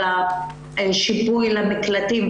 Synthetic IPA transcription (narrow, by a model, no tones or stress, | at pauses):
a | ʃibujlamiklat̪im